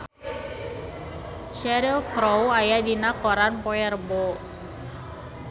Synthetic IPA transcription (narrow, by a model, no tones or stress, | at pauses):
t͡ʃɛɾilkɾowajadinakɔɾanpɔɛrbɔ